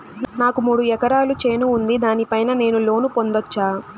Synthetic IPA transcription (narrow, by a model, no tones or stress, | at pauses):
naːkumuːɽujɛkɐɾaːlut͡ʃe̞ːnuːnd̪id̪aːnipɐjnɐne̞ːnulo̞ːnupo̞nd̪ɐt͡ʃːaː